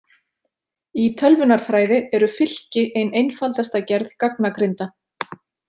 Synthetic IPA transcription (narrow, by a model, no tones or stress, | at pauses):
it̪ʰœlvʏnaɾ̥θɾaːjðɪɛɾʏfɪl̥cɪʔejnejnfalt̪ast̪acɛɾðkaknakɾɪnt̪a